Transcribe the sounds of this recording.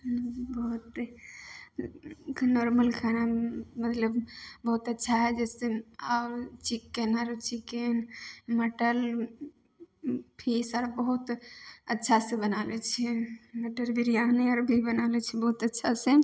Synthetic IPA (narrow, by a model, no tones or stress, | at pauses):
bəɦut̪ | noɾməlkʰanamət̪ləbbəɦut̪ətːʃʰaɦɛd͡ʒɛseaɾt͡ʃikːenəɾt͡ʃikenməʈəl | pʰisaɾbəɦut̪ətːʃʰasẽbənalɛt͡ʃʰɛməʈəlbiɾijaneəɾbʱibənalɛt͡ʃʰɛbəɦut̪ətːʃʰasẽ